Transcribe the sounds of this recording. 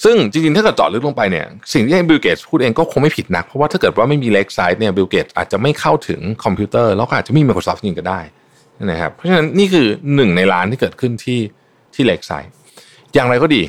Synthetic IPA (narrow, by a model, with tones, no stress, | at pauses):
sɯ˥˩ŋt͡ɕi˧ŋt͡ɕi˧ŋtʰaː˥˩kːɤː˨˩t̪̚t͡ɕɔ̰˨˩t̚lɯ˦˥k̚lo˧ŋ˧pa˧jni˥˩ɐsi˨˩ŋt̪ʰiː˥˩a˧jbi˧wkeː˨˩pʰuː˥˩ʔeː˧ŋkɔː˥˩kʰo˧ŋma˥˩pʰi˨˩t̪̚na̰˦˥k̚pʰɾɔ˦˥waː˥˩tʰaː˥˩kɤː˨˩t̪̚waː˥˩ma˥˩jmiː˧le˦˥k̚sa˦˥jt̪̚ni˥˩ɐbi˧wkeː˨˩t̪̚ʔa̰ː˨˩t̪̚t͡ɕa˨˩ma˥˩jkʰa˥˩wt̪ʰɯ̰˩˦ŋkʰɔ˧mpʰuː˦˥t̪ɤː˥˩lɛː˦˥wkɔ˥ʔ̚ːt͡ɕa˨˩miː˧m˧kʰoː˧sɔː˦˥p̚ni˧ŋka˥˩daː˥˩jʰ | a˥˩ŋma˦jkʰa̰˦˥pʰɾɔ˦˥t͡ɕa˧na˦˥nːiː˥˩kʰɯː˧nɯ˨˩ŋna˧jɾaː˦˥nt̪ʰiː˥˩kɤː˨˩t̪̚kʰɯ˥˩nt̪ʰiː˥˩ | t̪ʰiː˥˩leː˦˥k̚sa̰ː˦˥jt̪̚ | jaː˨˩ŋɾa˧jkɔː˥˩diː˧